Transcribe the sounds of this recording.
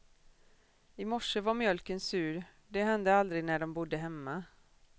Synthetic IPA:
ɪmɔʂəvaɾmjœlkənsʉ̟ːɾ | d̪ɛɦɛnd̪əald̪ɾɪɡnæɖɔmbʊd̪ːəɦɛmːa

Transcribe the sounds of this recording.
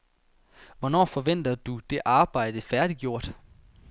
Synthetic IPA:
ʋɒnɒ̰ːfɒ̽ʋen̰d̥ɐd̥ud̥e̝ʔɑ̈ːb̥ɑ̈ɪ̰d̥əfæɐd̥iɡ̥jo̝ɐ̰d̥

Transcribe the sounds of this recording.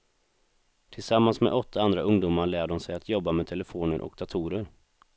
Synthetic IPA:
t̪ʰɪlsamːansmḛd̪ʔɔt̪ʰːaand̪ɾaɵŋd̪uːmaɭæːɖɔmsɛjat̪ʰjɔbːamɛːt̪ʰɛləfoːnəɾʔɔ̰k̚d̪at̪ʰuːɾəɾ

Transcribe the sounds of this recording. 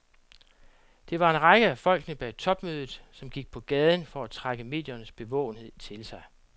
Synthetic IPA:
d̥e̝ʋɑ̈e̝nʁɑ̈ɡ̥əæfɒ̽l̰ɡ̥nəb̥ɛ̰t͡sʰɒ̽b̥møːðˠð̩ˠsɒ̽mɡ̥iɡ̥̚pʰɒ̽ɡ̥ɛːð̞ˠən̩fɒ̽æt͡sʰʁaɡ̥əme̝̰ðˠjɐnəsb̥e̝ʋɔ̰ʊ̰n̩he̝ð̞̰ˠt͡sʰe̝lsɑ̈ɪ

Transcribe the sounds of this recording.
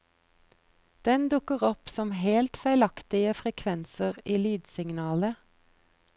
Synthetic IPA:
d̪̥ɛnd̪ʉkəʁɔpsɔmheːlt̪fæɪlɑkt̪ɪəfʁɛkʰʋɛnsəʁiːlyːd̪sɪŋnɑːlə

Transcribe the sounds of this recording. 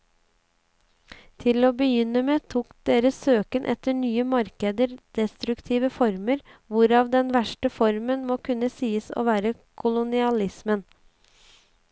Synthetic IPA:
t̪ʰɪloːbəjʏnːəmeːt̪ʰuːkd̪eːɾəsøːkənʔɛ̰t̪əɳyːəmɑɾkəd̪əɾd̪̥ɛst̪ɾʉkt̪ʰiːʋəfɔɾməɾʋʊɾɑːʋd̪ɛnʋæʂʈəfɔɾmənmoːkʰʉnːəsiːəso̰ːʋæːɾəkʰʊlʊnɪɑlɪsmən

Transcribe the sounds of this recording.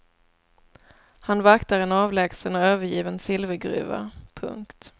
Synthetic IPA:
hanvakt̪aɾɛnɑːvlɛːɡsənɔøːvəɾjiːvənsɪlvəɡɾʉ̟̰ːva̰pʰɵ̰ŋkt̪

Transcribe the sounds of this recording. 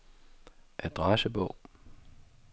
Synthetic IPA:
ʔæd̪̥ʁɑsəbɔʊ̰

